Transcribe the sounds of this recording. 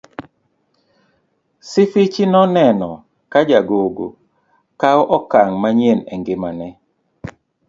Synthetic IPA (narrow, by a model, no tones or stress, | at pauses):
sɪfɪt͡ʃinɔnɛnɔ | kad͡ʒaɡoɡo̰ | kawʔɔkaŋmaɲenɛ̰ŋɡɪmanɛ